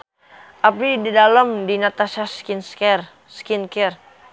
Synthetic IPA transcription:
ʔapididaləmdinat̪asaskinskɛr | skinkɛr

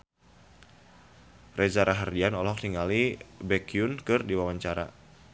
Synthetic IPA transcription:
rʔɛzaɾaɦərdianɔlɔk̚t̪iŋalibɛkiʊnkɨrdiwawaɲt͡ʃaɾa̰

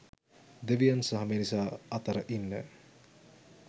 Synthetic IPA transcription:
d̪eʋijansɐɦɐmeːnisaːɐt̪ɐɾəʔinːə̰

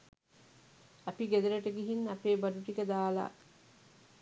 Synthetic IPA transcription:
ɐpiɡed̪ɐɾɐʈəɡiɦinɐpeːbɐɖuʈikəd̪aːla̰

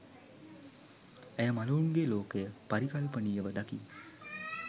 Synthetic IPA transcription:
ejəmaluuŋɡeloːkejəpaɾikalpəniːəʋəd̪aki

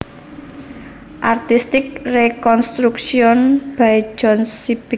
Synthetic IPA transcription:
ʔart̪ist̪ɪk̚rekɔnst̪ɾuksiɔnb̥ai̥d͡ʒ̥ɔnsib̥i

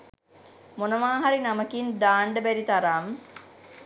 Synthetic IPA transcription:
monəʋaːɦaɾinaməkind̪aːɳɖəbæɾit̪aɾaːmə

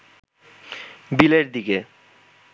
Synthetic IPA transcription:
bileɾd̪ike

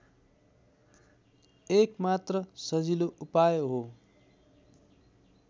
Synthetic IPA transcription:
ekmat̪rʌsʌd͡ziloupajoɦo

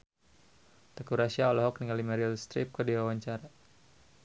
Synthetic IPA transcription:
t̪əkuɾasiaɔlɔɦɔkniŋɡalimaɾialst̪ɾip̚kədiwawaɲt͡ʃaɾa

